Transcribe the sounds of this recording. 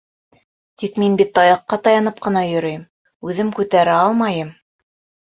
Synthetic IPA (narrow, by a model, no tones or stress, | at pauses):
t̪ikminbit̪ːɑjɤ̆qːɑt̪ɑjɑnɤp̚qɤ̆n̪ɑjɵ̆ɾɘ̆jm | ʉðɘmkʉt̪æɾæɑlˠmɑjɤm